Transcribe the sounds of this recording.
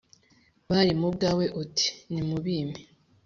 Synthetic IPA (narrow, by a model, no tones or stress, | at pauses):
βaɾimub̚ɡaːwe̞ʔotʰi̥nimuβiːmi